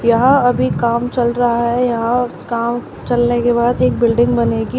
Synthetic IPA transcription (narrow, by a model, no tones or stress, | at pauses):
jɐɦãɐbʱikaːmt͡ʃɐlɾɐɦaɦɛjɐɦãkaːm | t͡ʃɐlnekebaːd̪eːk̚bɪlɖɪ̃ŋɡbɐneːɡi